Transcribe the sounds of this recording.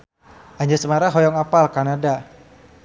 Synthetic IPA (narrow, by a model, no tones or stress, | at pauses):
ʔaɲd͡ʒasəmaɾaɦɔjɔŋapalkanada